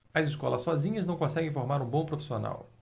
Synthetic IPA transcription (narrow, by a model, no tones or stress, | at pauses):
ɐziskɔlɐsːɔzĩɲɐznɐ̃w̃kõsɛɡẽfoɾmaɾũbõpɾofisiona̰w